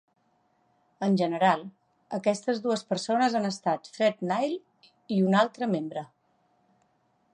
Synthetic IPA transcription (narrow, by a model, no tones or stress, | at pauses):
ənʲʒənəɾalˠ | əkɛst̪əzðuəspəɾsonəzanəst̪at̪fɾɛt̪najl | iunalˠt̪ɾəmembɾə